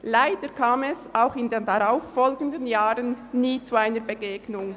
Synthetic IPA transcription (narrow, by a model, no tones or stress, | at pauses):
laɪd̥əkʰaːmɛsaʊxɪndeːndaʁaʊfːɔlɡən̩dənjaːʁənniːt͡suaɪnəɾbeɡeːɡnʊŋ